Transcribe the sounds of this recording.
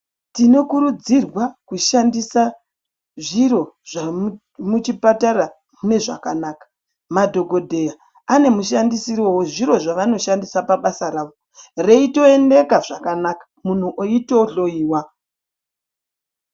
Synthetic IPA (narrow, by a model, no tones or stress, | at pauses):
tino̞kuɾud͡zirwakuʃandisa | ʐiɾo̞ʐa | mut͡ʃipatara | ne̞ʐa̰kanaːkḁ | madʱo̞ɡʱo̞dʱe̞ja | ane̞muʃandisirowoʐiɾo̞ʐaʋano̞ʃandisapaɓasaɾaːʋo | re̞ito̞e̞nde̞kaʐakanakḁmun̤uʔoitoɬo̞iːwa